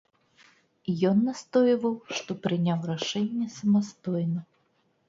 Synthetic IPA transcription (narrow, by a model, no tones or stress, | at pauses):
jɔnːast̪ɔjvɐwʂt̪ɔpɾɨnʲawraʂɛnʲːɛsɐmast̪ɔjnɐ